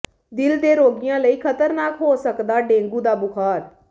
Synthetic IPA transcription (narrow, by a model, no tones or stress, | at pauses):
d̪ɪld̪eːɾoːɡɪjãːləiːkʰət̪əɾnaːkɦoːsəkd̪aːɖẽːŋɡuːd̪aːbʊkʰaːɾ